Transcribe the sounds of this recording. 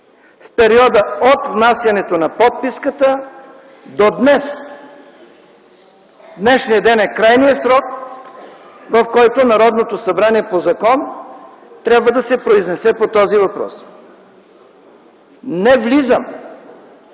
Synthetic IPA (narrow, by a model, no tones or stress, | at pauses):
fpɛɾiɔd̪əot̪vnasjɐnɛt̪onɐpɔt̪̚piskət̪ə | d̪od̪nɛs | d̪nɛʃnijəd̪ɛnɛkɾajniɛsɾɔk̚ | vɐfkɔjt̪onɐɾɔd̪not̪osɐbɾaniɛpozɐkɔn | t̪ɾʲabvəd̪ɐsɛpɾoiznɛsɛpot̪ɔzivɐpɾɔ̰s | nɛvlizəm